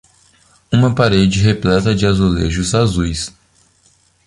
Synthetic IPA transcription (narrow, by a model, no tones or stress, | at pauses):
ũmɐpaɾed͡ʒɪɦeplɛt̪ɐd͡ʒɪazolḛʒʊzazujs